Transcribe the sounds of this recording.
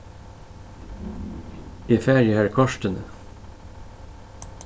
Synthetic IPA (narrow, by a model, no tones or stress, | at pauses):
iːfæɾjəæːɾkʰɑʃtənə